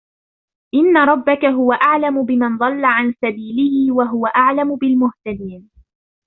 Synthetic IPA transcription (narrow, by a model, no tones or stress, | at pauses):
ʔɪnːaɾˤɑbːakaɦʊwaʔaʕlamʊbɪmand̪ˤɑlːaʕansabiːlɪhɪwaɦʊwaʔaʕlamʊbɪlmʊht̪ad̪iːn